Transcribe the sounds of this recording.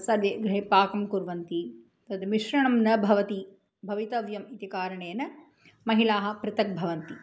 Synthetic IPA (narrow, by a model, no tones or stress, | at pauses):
sɐɾʋjeɡɾɦepaːkɐmkuɾʋɐnt̪i | t̪ɐt̪miʃɾɐɳɐmnɐbʱɐʋɐt̪i | bʱɐʋit̪ɐʋjɐmit̪ikaːɾɐɳeːnɐ | mɐɦilaːɦɐ̆pɾɪt̪ɐk̚bʱɐʋɐnt̪i